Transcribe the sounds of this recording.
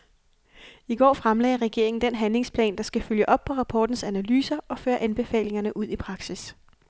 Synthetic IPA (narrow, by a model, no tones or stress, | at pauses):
iɡ̥ɒ̰ːfʁamlɛ̰ːɪʁɛɡ̥e̝ɐ̰e̝ŋn̩d̥enɦænle̝ŋspʰlɛ̰ːnd̥ɑ̈sɡ̥æføljəʔɒ̽b̥̚pʰɒ̽ʁɑ̈pʰɒːd̥n̩sænælyːsɐɒ̽føːɐʔænb̥e̝fɛ̰ːle̝ŋɐnəʔuð̞̰ˠipʰʁɑ̈ɡ̥sis